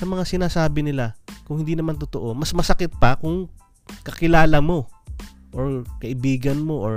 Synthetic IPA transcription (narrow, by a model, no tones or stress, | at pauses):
sɐmɐŋasɪnaːsaːbɪnɪlakʊŋhɪnd̪inɐmant̪ot̪oʔo̞mɐsmɐsɐkɪt̪̚pɐkʊŋ | kɐkɪlaːlɐmo̞ | ʔoɹkɐʔɪbiːɡɐnmo̞ʔoɹ